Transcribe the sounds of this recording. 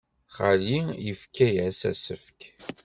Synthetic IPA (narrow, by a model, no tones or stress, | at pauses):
χalijəfkːæjæsæ̰səfk